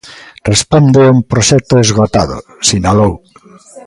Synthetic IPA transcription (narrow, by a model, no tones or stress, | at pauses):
respond̪euŋpɾoʃɛk̚t̪oezɣot̪aðʊ̰ | sinalow